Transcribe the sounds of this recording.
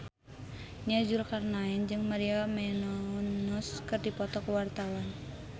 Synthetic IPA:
niad͡ʒulkarnaɛnd͡ʒɨŋmaɾiamɛnɔnuskɨrdipɔt̪ɔkəwart̪awan

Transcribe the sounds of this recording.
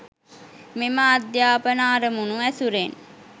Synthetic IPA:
memaːd̪jaːpənaːɾəmunuæsuɾen

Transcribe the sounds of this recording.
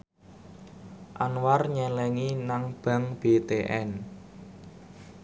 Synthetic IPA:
ʔanwarɲɛlɛŋinaŋb̥a̤ŋb̥et̪eʔɛn

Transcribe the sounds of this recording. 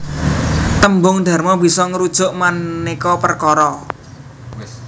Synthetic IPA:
t̪əmbʊŋd̪̥a̤rmɔbi̤sɔŋəɾud̥ʒ̥ʊ̤ʔmannikɔpərkɔɾɔ

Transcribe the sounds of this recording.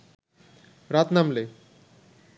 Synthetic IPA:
ɾat̪namle

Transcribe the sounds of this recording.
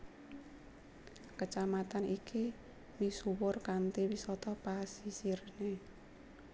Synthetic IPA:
kət͡ʃamat̪anikʰi | misuwʊrkant̪iwisɔt̪ɔpasisirne

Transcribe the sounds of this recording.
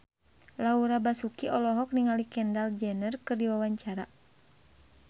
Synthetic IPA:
lauɾabasukiɔlɔɦɔk̚niŋalikɛndald͡ʒɛnərkɨrdiwawaɲt͡ʃaɾa

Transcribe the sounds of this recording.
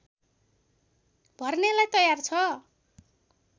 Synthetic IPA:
bʱʌrnelajt̪ʌjart͡sʰʌ

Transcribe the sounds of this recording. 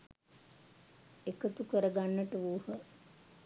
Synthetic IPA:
ekət̪ukəɾəɡanːəʈəʋuːhə

